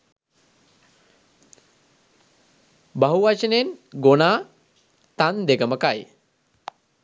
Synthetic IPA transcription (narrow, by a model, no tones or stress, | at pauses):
bɐɦuʋat͡ʃənenɡonaː | t̪and̪eɡəməkaj